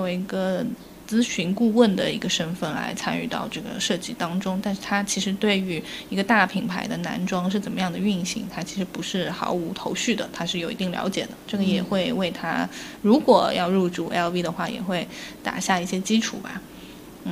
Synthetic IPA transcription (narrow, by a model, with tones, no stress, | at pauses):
t͡sɔ˥˩we˧˥ɪi˧˥ɡə˧ | t͡sɹ̩˥ɕy˧˥nku˥˧wə˥˩nd̪ə˩ḭ˧˥ɡə˧ʂə˥nfə˥˩nla̰˧˥ɪt͡sʰa˥ny˥˧t̪ɑ̰˥˧ʊʈ͡ʂɤ˥˩ɡə̰˩ʂɤ˥˧t͡ɕi˥˩t̪ɑ˥ŋʈ͡ʂʊ˥ŋt̪a˥˧nʂɻ̩˥˩t̪ʰa˥t͡ɕʰi˧˥ʂɻ̩˧˥t̪we˥˩ɪy˧˥i˧˥ɡə˧t̪a˥˩pʰi˨˩ŋpʰa˧˥ɪd̪ə˧na̰˧˥nʈ͡ʂwɑ˥ŋʂ̬ɻ̩˥˩t͡sə˨˩nmə˦jɑ˥˩ŋd̪ə˩y˥˩nɕi˧˥ŋt̪ʰa˥t͡ɕʰi˧˥ʂɻ̩˧˥pu˧˥ʂɻ̩˥˩xɑ̰˧˥ʊu˧˥t̪ʰo˧˥ʊɕy˥˩d̪ə̰˩t̪ʰa˥ʂɻ̩˥˩jo˨˩ʊi˧˥t̪i˥˩ŋljɑ̰˧˥ʊt͡ɕjɛ̰˨˩d̪ə̰˦ʈ͡ʂɤ˥˩ɡə˩jɛ˨˩xwe˥˧ɪwe˥˩ɪt̪ʰa̰˥ɻu˧˥kwɔ˨˩jɑ˥˧ʊɻu˥˧ʈ͡ʂu˥˩ʔɛ˥lvi˥d̪ə˧xwa˥˩jɛ̰˨˩xwe˥˩ɪt̪a̰˨˩ɕja˥˧i˥˩ɕjɛ˥t͡ɕi˥ʈ͡ʂʰṵ˨˩ba̰˦ | n̩˥˩